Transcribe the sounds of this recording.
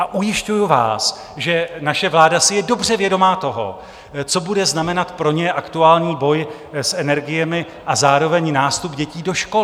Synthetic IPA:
ʔaʔujɪʃcujuva̰ːs | ʒɛnaʃɛvlaːdasɪjɛdo̞br̝ɛvjɛdo̞maːt̪o̞ɦo̰ | t͡so̞budɛznamɛnat̪pɾo̞ɲɛʔakt̪uaːlɲiːbo̞j | sʔɛnɛɾɡɪjɛmɪ | ʔazaːɾo̞vɛɲnaːst̪upɟɛciːdo̞ʃko

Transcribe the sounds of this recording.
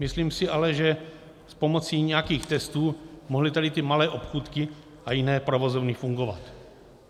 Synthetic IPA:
mɪsliːmsɪʔalɛʒɛ | spo̞mot͡siːɲɛjakiːxt̪ɛst̪uːmoɦlɪt̪adɪt̪ɪmalɛːʔopxuːt̪kɪ | ʔajinɛːpɾovozovnɪfuŋɡova̰t̪

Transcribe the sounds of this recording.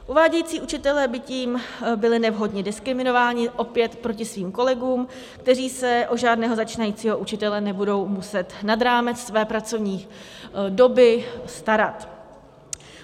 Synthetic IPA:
ʔuvaːɟɛjiːt͡siːʔut͡ʃɪt̪ɛlɛːbɪciːmbɪlɪnɛvɦo̞dɲɛdɪskɾɪmɪno̞vaːɲɪʔo̞pjɛt̪pɾo̞cɪsviːmko̞lɛɡuːm | kt̪ɛriːsɛʔodʒaːdnɛːɦo̞zat͡ʃiːnajiːt͡siːɦo̞ʔut͡ʃɪt̪ɛlɛnɛbudo̞wmusɛt̪nad̪ɾaːmɛt͡ssvɛːpɾat͡so̞vɲiː | do̞bɪst̪aɾat̪

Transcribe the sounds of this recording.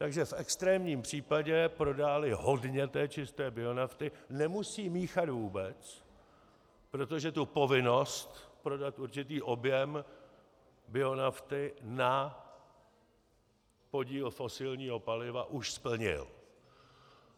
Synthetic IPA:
t̪aɡʒɛfʔɛkst̪ɾɛːmɲiːmpr̝̥iːpaɟɛpɾo̞daːlɪɦo̞dɲɛt̪ɛːt͡ʃɪst̪ɛːbɪo̞naft̪ɪnɛmusiːmiːxat̪vuːbɛt͡s | pɾo̞t̪o̞ʒɛt̪upo̞vɪno̞st̪pɾo̞dat̪ʔuɾt͡ʃɪt̪iːʔo̞bjɛm | bɪo̞naft̪ɪna | po̞ɟiːlfo̞sɪlɲiːɦo̞palɪva̰ʔuʃspl̩ɲɪ̰l

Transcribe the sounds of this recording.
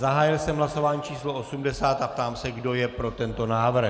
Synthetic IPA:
zaɦaːjɪlsɛmɦlaso̞vaːɲiːt͡ʃiːsloʔo̞sumdɛsaːt̪ap̚t̪aːmsɛɡdo̞jɛpɾo̞t̪ɛnt̪o̞naːvr̩x

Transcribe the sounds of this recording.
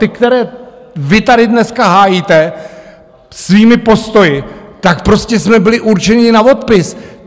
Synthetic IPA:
t̪ɪkt̪ɛɾɛː | vɪt̪adɪdnɛskaɦaːjiːt̪ɛ | sviːmɪpo̞st̪o̞jɪt̪akpɾo̞scɛsmɛbɪlɪʔuɾt͡ʃɛɲɪnavo̞t̪pɪs

